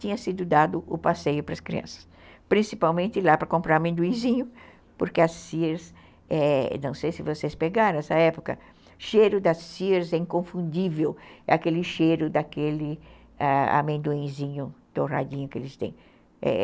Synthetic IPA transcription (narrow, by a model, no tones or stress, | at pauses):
t̪ĩɲɐsid̪ʊd̪ad̪ʊʔʊpasejʊpɾɐskɾḭɐ̰̃nsɐ̥s | pɾĩsipawmẽnt̪ɪlapɾɐkõmpɾaɾɐmẽnd̪uĩzĩɲʊ | poɾkeɐssiɾs | ɛnɐ̃w̃sejsɪvosespeɡaɾɐ̃ɛsɐɛpokɐ̰ | ʃejɾʊd̪ɐsːiɾzɛĩŋkõfũnd̪ivewɛ̰akelɪʃejɾʊd̪ɐkelɪ | aa̰mẽnd̪uĩzĩɲʊt̪ora̰d͡ʒ̪ĩɲʊkɪḛlɪst̪ḛ̃j̃ | ɛ̰